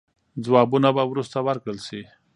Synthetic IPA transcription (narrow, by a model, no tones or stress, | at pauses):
d͡zwɑbunabawɾust̪awaɾkɽəlsi